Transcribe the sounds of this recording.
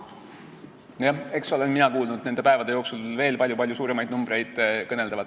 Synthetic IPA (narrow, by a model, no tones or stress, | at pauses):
jɑe̞kso̞le̞nminɑkuːlnud̪̥ne̞nd̪e̞pæe̞vɑd̪e̞jo̞ːksulve̞ːlpɑlʲjupɑlʲjusuːɾe̞mɑjd̪numb̥ɾe̞jd̪̥kɤne̞ld̪ɑvɑt̪ː